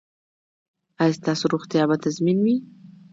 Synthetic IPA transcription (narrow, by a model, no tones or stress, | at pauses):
ajst̪ɑsoɾoxt̪jɑbat̪azminwi